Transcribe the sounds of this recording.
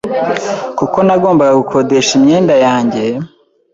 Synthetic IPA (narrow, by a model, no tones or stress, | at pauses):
kuko̞naɡo̞ːmbaɡaɡukʰo̞deʃimɲeːndajaːɲɟe̞